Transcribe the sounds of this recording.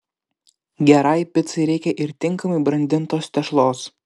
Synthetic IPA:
ɡʲɛɾɐɪpʲɪt̪sɐɪɾʲɛɪkʲɛʔɪɾt̪ʲɪŋkɐmɐɪbɾɐnʲd̪ʲɪnt̪oːst̪ʲɛʃlˠoːs

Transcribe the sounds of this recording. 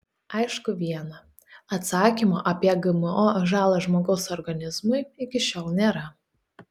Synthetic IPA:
ɐɪʃkʊʋʲiɛnɐ | ɐt̪sɑːkʲimoːʔɐpʲiɛɡɐmɛoʒɑːlˠɐʒmoːɡɒʊsɔɾɡɐnʲɪzmʊɪɪkʲɪʃʲoːlˠnʲeːɾɐ

